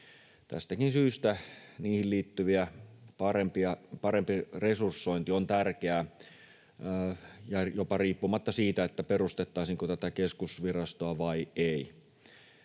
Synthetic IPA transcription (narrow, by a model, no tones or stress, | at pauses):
t̪æ̰st̪ækinsyːst̪æniːhilliːt̪ːyʋiæpɑrempiɑpɑrempiresursːoint̪iont̪ærkeæ | jɑjopɑriːpːumɑt̪ːɑsiːt̪æet̪ːæperust̪et̪ːɑˑisiŋkot̪æt̪ækeskusʋirɑst̪oɑʋɑiei